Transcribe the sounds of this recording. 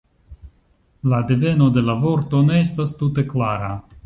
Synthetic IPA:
ladeve̞no̞de̞lavo̞ɾto̞ne̞estastute̞klaɾa

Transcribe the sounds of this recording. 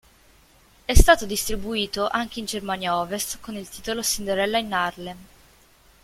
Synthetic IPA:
ɛst̪aːt̪od̪ist̪ɾibuiːt̪oʔaŋk̟eind͡ʒermaːnjaɔːvest̪konilt̪iːt̪olosind̪eɾɛlːainarle

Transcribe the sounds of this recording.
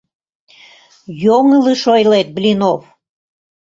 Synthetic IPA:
joŋəlɨʃojlet̪̚blʲinow

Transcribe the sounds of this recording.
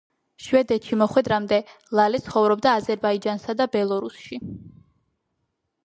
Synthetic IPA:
ʃvɛd̪ɛt̪ʃimɔχwɛd̪ɾamd̪ɛ | lˠalɛt̪sʰχɔvɾɔb̚d̪aːzɛɾbaid͡ʒansad̪abɛlˠɔɾusʃi

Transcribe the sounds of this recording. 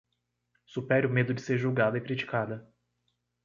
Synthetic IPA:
supɛɾʊmed̪ʊd͡ʒɪseɾʒuwɡad̪ɐɪkɾit͡ʃi̥kad̪ɐ

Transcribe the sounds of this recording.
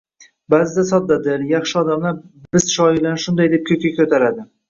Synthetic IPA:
bazɪd̪asɒd̪ːad̪ɪljɑχʃɪɒd̪amlaɾbɪzʃɒɪlanʃʊnd̪ajd̪ep̚kʲʰɵkʲakʲʰɵt̪ʰaɾad̪ɪ

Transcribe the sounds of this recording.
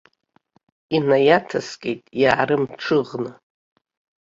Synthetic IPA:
inajatʰaskʲʼejtʼjaːɾɨmʈ͡ʂʰɨʁnɨ

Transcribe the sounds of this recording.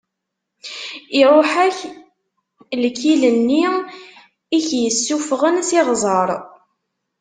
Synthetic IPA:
ɪɾˤoħæç | lkːilənːi | içjəsːufʁənsɪʁzˤəɾˤ

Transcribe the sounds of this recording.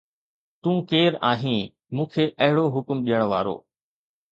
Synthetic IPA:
t̪ũːkeːɾaːɦĩː | mũːkʰeːʔɐɦɪɽoɦʊkmɗijəɽ̃ʋaːɾo̰ː

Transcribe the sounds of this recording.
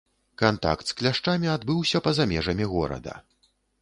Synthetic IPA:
kant̪a̰kt̪sklʲaʂt͡ʂamʲiad̪bɨwsʲɐpɐzamʲɛʐɐmʲiɣɔɾɐ̰d̪ɐ̰

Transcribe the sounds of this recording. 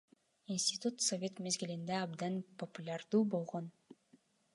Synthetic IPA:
insʲtʲɪt̪ut̪sovʲe̞t̪me̞zɡilind̪eɑbd̪ɑnpʰopulʲard̪uːbo̞lˠʁo̞n

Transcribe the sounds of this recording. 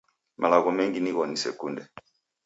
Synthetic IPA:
mʔalaɣɔmɛŋɡiniɣɔnisɛ̰kundɛ

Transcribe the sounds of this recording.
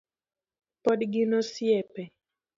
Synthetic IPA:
pɔdɡɪnosjɛpɛ

